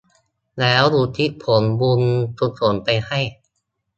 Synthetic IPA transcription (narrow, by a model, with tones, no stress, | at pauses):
lɛː˦˥wduː˧˩t̪ʰi˦˥pʰo˩˦nbu˧nsu˧˥t̪̚su˩˦npa˧jha˥˩j